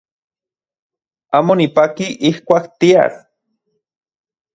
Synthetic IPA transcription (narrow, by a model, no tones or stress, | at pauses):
amonipakiʔihkʷakt̪ia̰ɾ